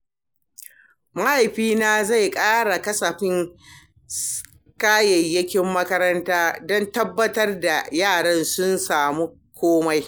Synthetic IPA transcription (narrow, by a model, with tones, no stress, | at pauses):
mɐ˦ha˨jɸiː˦naː˦za˦˨jkʼaː˦ɽa˨kɐ˦sɐ˨ɸɪ˦ŋ | kaː˦jɛ˨jːɐ˦kʲɪ˦mːɐ˦kɐ˦ɾɐ˦ntaː˦dɔ˦ntɐ˦bːɐ˦tɐ˦rda˨jaː˦˨ɽɐ˦nsʊ˦nsaː˨mu˦ | kʷoː˦ma˦j